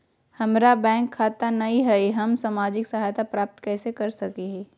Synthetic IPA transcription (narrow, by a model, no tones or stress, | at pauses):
hɐmɾabɛ̃ːŋkʰːaːt̪anɐɦĩɦɛiɦɐmsaːmaːd͡ʒɪksɐɦaːjt̪apɾaːp̚t̪kɛːsekɐɾsɐkeɦɛ̃ː